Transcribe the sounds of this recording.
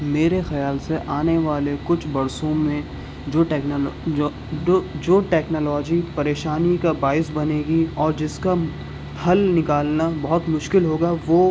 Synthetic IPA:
meːɾexɐjaːlseʔaːneʋaːlekʊt͡ʃʰbɐɾsõmẽ | d͡ʒoːɛkː | od͡ʒoːʈɛːknɔːlɔːd͡ʒipɐɾeːʃaːnikabaːɪsbɐneːɡiɔːɾd͡ʒɪska | pʰɐlnɪkaːlnabɐɦʊt̪mʊʃkɪlɦoːɡaʋoː

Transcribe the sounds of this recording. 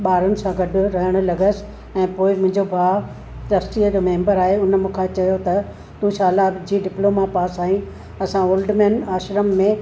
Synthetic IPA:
ɓaːɾʊnɪ̆sãɡɐɖʱʊ̆ɾɐɦəɽ̃ʊ̆lɐɡəsɪ̥̆ | ɛ̃ːpoːɪmʊ̃ɦɪ̃ɲd͡ʑobʱaː | t̪ɐsʈiəd͡ʑoːmẽːmbəɾaːɦeʊnmʊ̃kʰãt͡ɕɐjot̪ɐ | t̪ũɕaːlad͡ʑiːɖɪploːmapaːsaːĩ | ɐsãoːlɖmɛ̃ːnaːʃɾəmːẽ

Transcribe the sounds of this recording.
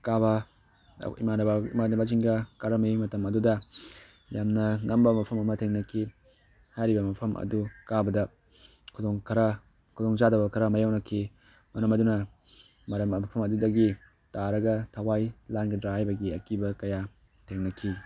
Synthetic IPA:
kaβɐ̰ | ḭmanɐbɐimanɐbaziŋɡɐkaɾɐmɐjimɐtɐmɐdudɐ | jamnɐŋɐmbɐmɐpʰɐmɐmɐtʰeŋnɐkʰi | hajɾibɐmɐpʰɐmʔɐ̰dukabɐdɐ | kʰudoŋkʰɐɾɐ | kʰudoŋzadɐbɐkʰɐɾɐmɐjawnɐkʰi | mɐɾɐmɐdunɐ | mɐɾɐmɐpʰɐmɐdudɐɡi | taɾɐɡɐtʰɐwajlanɡidɾahajbɐɡiɐkibɐkɐja | tʰeŋnɐkʰi

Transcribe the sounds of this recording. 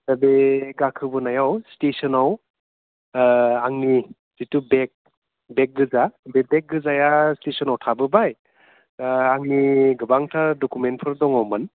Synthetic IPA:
dabeɡakʰɯbɯnajawstesɔnaw | aŋni | z̥itubek̚ | bek̚ɡɯzabebek̚ɡɯzajastesɔnawtʰabɯbaj | aŋniɡɯbaŋtʰadɔkument̚pʰɯɾdɔŋawmɯn

